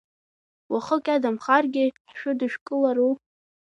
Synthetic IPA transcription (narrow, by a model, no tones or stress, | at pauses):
waχəkʲʼadamχarɡʲɪħʃʊdɨʃᶣkʼɨlaɾu